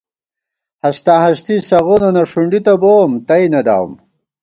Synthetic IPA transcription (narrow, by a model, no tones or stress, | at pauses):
hɐst̪aɦɐst̪isɐɣunonɐʂuɳɖit̪ɐboːmt̪ɐjnɐd̪a̰w̰m